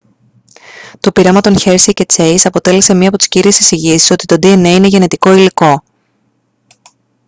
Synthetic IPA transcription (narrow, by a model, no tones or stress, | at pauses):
t̪o̞piɾemɐt̪o̞nçe̞ɾsice̞t͡se̞jsɐpo̞t̪e̞lese̞mɲɐːpo̞t̪i̥sciɾiesisiʝisi̥so̞t̪it̪o̞d̪ieneine̞ʝe̞ne̞t̪iko̞iliko̞